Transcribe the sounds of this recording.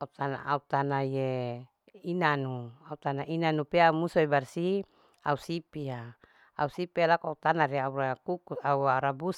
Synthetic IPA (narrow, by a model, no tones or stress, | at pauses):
aut̪ana̰aut̪anaje | inanuaut̪anaʔinanupeaumusuebarsi | ausipia | a̰usipialakoaut̪anaɾiaurakukusauaɾabus